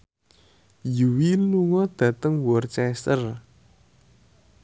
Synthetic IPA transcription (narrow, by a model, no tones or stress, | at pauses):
juwiluŋɔd̪̥ä̤t̪əŋwɔrt͡ʃɛsər